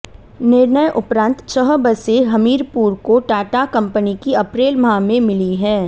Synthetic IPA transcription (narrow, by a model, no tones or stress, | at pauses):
nɪɾnəjʔʊpɾãːnt̪t͡ʃəɦbəseɦɐmiːɾpuːɾkoʈaːʈakɐ̃mpənikiɐpɾeːlmɦamẽmɪliɦɛː